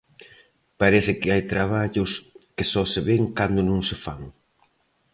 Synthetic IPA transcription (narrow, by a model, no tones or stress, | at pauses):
paɾeθɪkɪajt̪ɾaβaʎʊskɪsɔseβeŋkand̪ʊnõŋsefa̰ŋ